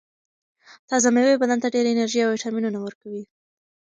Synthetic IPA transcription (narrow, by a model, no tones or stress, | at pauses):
t̪ɑzamewebad̪ant̪aɖeɾɪnaɾʒiawɪʈɑminunawəɾkawi